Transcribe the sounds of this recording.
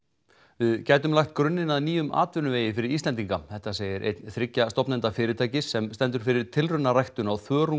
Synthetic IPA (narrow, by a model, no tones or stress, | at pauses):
vɪðcaːjt̪ʏmlajxt̪̚kɾʏnːɪnaðniːjʏmʔa̰ːt̪vʏnʏveːjɪfɪɾɪɾiːst̪lɛnt̪iŋkaθɛht̪aseːjɪɾʔḛjt̪nθɾɪcːast̪ɔpnɛnt̪afɪːɾɪt̪ʰaːjcɪsːɛmst̪ɛnt̪ʏɾ̥fɪɾɪɾ̥t̪ʰɪlrʏnarajht̪ʏnawθœːɾu